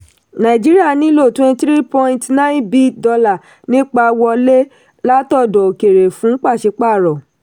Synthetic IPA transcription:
nã˨i˨d͡ʒi˦ɾi˦a˦˨nĩ˨˦lo˦˨twɛ̃˧ntɾi˦pɔ̃˧ĩ˧tnã˦bi˦dɔ˧la˦˨ | nĩ˦k͡pa˧wɔ˧le˦ | la˦tɔ˦˨dɔ˨ke˨ɾe˨fũ˨˦k͡pa˦˨ʃe˧˦k͡pa˦˨ɾɔ˨

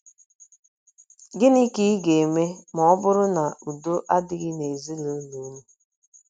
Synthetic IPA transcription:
ɡɪ˦ni˦ki˦ɡe˨e˨me˦mɔ˨ɔ˦bʊ˦ɾʊ˦na˨u˨do˦ʔa˦dɪ˦ɣɪ˦ne˨zi˦lo˦nu˨˦mu˦

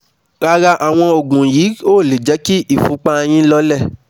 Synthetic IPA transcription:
ɾa˦˧ɾa˧ʔa˨w̃ɔ̃˧o˨ɡũ˨jiː˨˦oː˦˨le˨d͡ʒɛ˨˦ki˦ʔi˦˨fũ˨˦k͡pa˧j̃ĩ˦lɔ˦lɛ˦˨

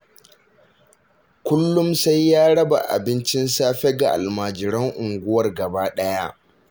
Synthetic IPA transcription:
kʷʊ˦lːʊ˦msa˦jːaː˦ɽɐ˦ba̰˨ʔa̰˨bɪ˦nt͡ʃɪ˦nsaː˦ɸe˦ɡa˨ʔa̰˨lmaː˨d͡ʒɪ˨ɾɐ˦ŋʔʊ˨ŋɡʷʊ˦wɐ˨rɡɐ˨baː˦ɗɐ˦ja˦ʔ

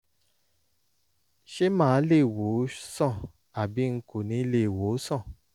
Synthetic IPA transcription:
ʃe˦mãː˦le˦˨wo˨˦sɔ̃˦˨ | a˨bi˨˦ŋ̩˦ko˨nĩ˨˦le˦˨wo˨˦sɔ̃˦˨

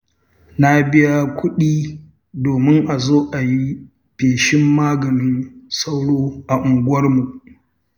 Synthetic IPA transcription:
na˦bɪ˦ja˦kʷʰʊ˦ɗiː˦ | doː˨mɪ˦ŋʔa˨zoː˦ʔa˨ji˦ | peː˨ʃɪ˦mːaː˦ɡɐ˨nɪ˦nsa˦wɽoː˦ʔa˨ʔʊ˨ŋɡʷʊ˦ɐ˦rmu˨ʔ

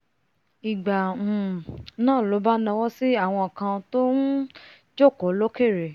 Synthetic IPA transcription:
i˨ɡ͡bã˨nãː˦˨lo˨˦ba˦nã˧wɔ˦si˦a˦˨w̃ɔ̃˧a˨kã˧to˦n̩˦ | d͡ʒɔ˦˨kɔ˨˦lo˦ke˦˨ɾe˨

